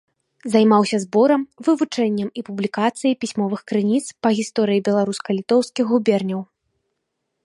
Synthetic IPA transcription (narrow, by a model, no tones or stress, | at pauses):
zajmawsʲɐzbɔɾɐmvɨvut͡ʂɛnʲːɛmipublʲikat̪sɨjɐjpʲisʲmɔvɨxkɾɨnʲit̪spɐɣʲist̪ɔɾɨjibʲɛlˠaɾuskɐlʲit̪ɔwskʲiɣɣubʲɛrnʲɐw